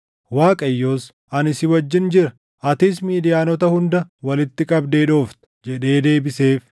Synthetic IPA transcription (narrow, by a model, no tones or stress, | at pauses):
waːkʼɐjːo̞ːs | ɐnɪsɪwɐd͡ʒːɪnd͡ʒɪɾɐ | ʔɐt̪iːs̬miːd̪ɪjaːnɔt̪ɐhʊnd̪ɐwɐlɪt̪ːɪkʼɐbd̪e̞ːᶑo̞ːft̪ɐ̥d͡ʒɛᶑe̞ːd̪e̞ːbɪse̞ːf